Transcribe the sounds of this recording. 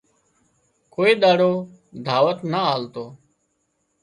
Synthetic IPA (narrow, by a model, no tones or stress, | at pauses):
koːiːɗ̪aːɽoː | d̪ʱaːʋət̪naaːlt̪oː